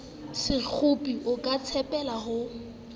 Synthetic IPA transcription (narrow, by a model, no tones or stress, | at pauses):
sɪk͡xʰʊpʼiʔʊkʼat͡sʰɛpʼɛlaɦʊ